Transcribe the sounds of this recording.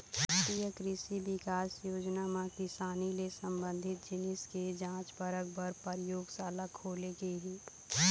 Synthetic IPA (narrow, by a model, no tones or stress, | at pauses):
t̪ijəkɾɪsibɪkaːsjoːd͡ʒnamãkɪsaːnilesə̃mbə̃nd̪ʱɪt̪̚d͡ʒɪnɪsked͡ʒãːt͡ʃbəɾək̚bəɾpəɾɪjoːɡsaːlakʰoːlekeɦiː